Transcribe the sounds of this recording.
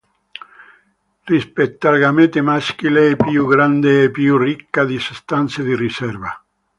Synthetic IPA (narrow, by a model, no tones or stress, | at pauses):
rispet̪ːalɡamet̪emask̟ilepjuɡɾand̪eːpːjurikːad̪isest̪ant̪sed̪irisɛrva̰